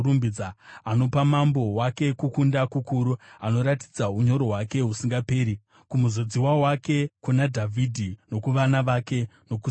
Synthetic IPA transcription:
umbid͡zaano̞pamambo̞wake̞kukundakukuɾuano̞ɾati̥d͡zauɲo̞ɾo̞ɦwake̞ɦusiŋɡape̞ːɾi | kumuzo̞d͡ziwawake̞kunadʱavʱidʱino̞kuʋanaʋake̞no̞ku

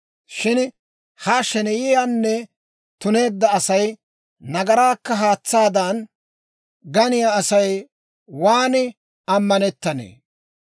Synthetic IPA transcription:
ʃɪn | haʃɛnɛjɪjanːɛ | t̪ʊne̞ːd̪ːɐːsɐj | nɐɡɐɾaːkːɐɦaːt͡sːaːd̪ɐn | ɡɐnɪjaːɐsɐj | waːnɪ | ɐmːɐnɛt̪ːɐnḛː

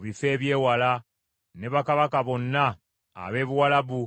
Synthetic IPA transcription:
βife̞ːβje̞ːwala | ne̞βakaβakaβo̞nːa̰ː | βe̞ːβuwalaβu

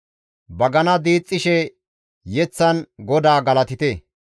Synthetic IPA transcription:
bɐɡɐnɐd̪iːt͡sʼːɪʃɛ | jɛt͡sːɐnɡɔd̪aːɡɐlɐt̪ɪt̪eː

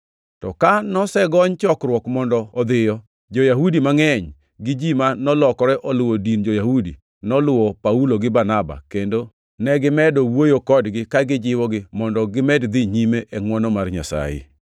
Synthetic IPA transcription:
tɔkanɔsɛɡɔɲt͡ʃɔkrwɔkmɔndɔːd̪ɪjɔ | d͡ʒojaɦudimaŋɛɲ | ɡɪd͡ʒimanɔlɔkɔɾɛʔɔlʊwodind͡ʒojahudḭ | nɔlʊwɔpauloɡɪbanaba̰kendo | nɛɡɪmɛdɔwojokɔdɡɪkaɡɪd͡ʒɪwɔɡɪmɔndɔɡɪmɛdd̪ɪɲimeʔɛŋwɔnɔmarɲa̰sa̰jɪ̰

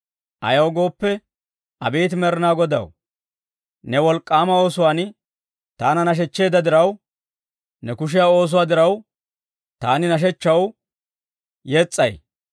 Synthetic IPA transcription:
ʔɐ̰jɐwɡo̞ːpːɛ | ʔɐbeːt̪mɛɾɪnaːɡɔd̪ɐ̰w | nɛwɔlkʼːaːmɐo̞ːsʊwaːn | t̪aːnɐnɐʃ̬ɛt͡ʃːe̞ːd̪ɐd̪ɪɾɐw | nɛkʊʃ̬ɪjaːo̞ːs̬ʊwaːd̪ɪɾɐw | t̪aːnɪnɐʃ̬ɛt͡ʃːɐw | jet͡sʼːɐ̰j

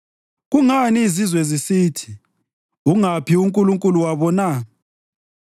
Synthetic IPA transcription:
ɣuŋaniːzizwɛzisiːtʰi̥ | uŋapʰiuŋkʼuluŋkʼuluwaβɔna

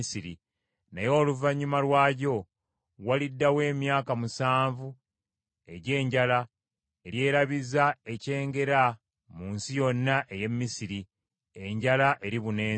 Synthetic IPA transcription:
siɾi | nejo̞ːluvaɲːumalwaːɟo̞ | walidːawe̞ːmjaːkamusaːɱvu | e̞ɟe̞ːɲɟala | eɾje̞ːɾaβizae̞ce̞ːŋɡe̞ɾa | muːnsijo̞nːaʔe̞je̞mːisiɾi | e̞ɲɟalaʔe̞ɾiβune̞ː

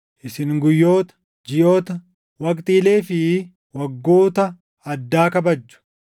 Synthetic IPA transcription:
ʔɪsɪŋɡʊjːo̞ːt̪ɐ̥ | d͡ʒɪjo̞ːt̪ɐ | wɐkʼt̪ʼiːle̞ːfɪ | wɐɡːoːt̪ɐ | ɐd̪ːaːkɐbɐd͡ʒːʊ̥

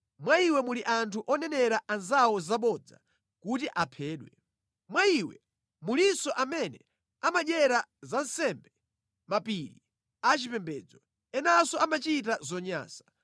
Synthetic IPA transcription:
mwaiwɛmuliʔantʰuʔɔnɛnɛɾaʔanzawɔzaɓɔd͡za̰ | kut̬iʔapʰɛːɗwɛ | mwaiwɛ | mulinsɔʔamɛnɛ | amaɗɛɾazansɛmbɛ | mapiɾi | at͡ʃipɛmbɛːd͡zɔ | ɛnasɔamat͡ʃit̬azɔɲa̰ːsḁ

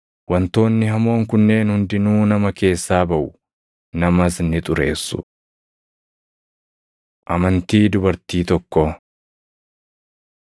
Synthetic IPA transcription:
wɐnt̪o̞ːnːɪɦɐmo̞ːŋkʊnːe̞ːnhʊnd̪ɪnuːnɐmɐke̞ːsːaːbɐʔʊ | nɐmɐsnɪt̪ʼʊɾe̞ːsːʊ̰ | ʔɐmɐnt̪iːd̪ʊbɐɾt̪iːt̪ɔkːɔ

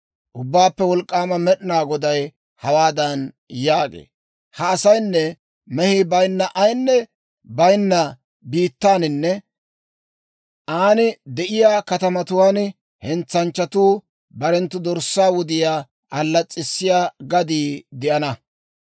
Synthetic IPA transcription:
ʔʊbːaːpːɛwɔlkʼːaːmɐmɛɗɪnaːɡɔd̪ɐj | hɐwaːd̪ɐn | jaːɡḛː | hɐːsɐjnːɛ | mɛhɪbɐjnːɐʔɐjnːɛ | bɐjnːɐ | biːt̪ːaːnɪnːɛ | aːnɪd̪ɛʔɪjaːkɐt̪ɐmɐt̪ʊwaːn | hɛnt͡sːɐnt͡ʃːɐt̪uː | bɐɾɛnt̪ːʊd̪ɔɾsːaːwʊd̪ɪjaː | ɐlːɐt͡sʼːɪsːɪjaːɡɐd̪iːd̪ɪʔɐnɐ

